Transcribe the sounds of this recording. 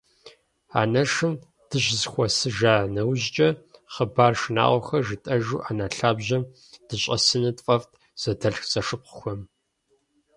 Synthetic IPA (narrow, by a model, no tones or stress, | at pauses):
a̰ːnɐʂɨm | d̥ɨʑzxʷɔsɨʒaːnɐwʑt͡ʃʼɐχəbaːrʃɨna̰ːʁʷɔxɐʒɨtʼɐʒuːʔaːnaɬaːbʑɐm | d̥ɨɕʼɐsɨnɨtʼfʼɐftʰ | z̥ɐdʰɐɬxt͡sʼɐʂɨp̚qʊxʷɔm